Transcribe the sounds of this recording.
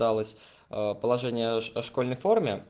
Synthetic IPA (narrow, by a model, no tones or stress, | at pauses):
alˠəsʲ | pəlˠɐʐɛnʲɪjəʂko̞lʲnəjfo̞rmʲɪ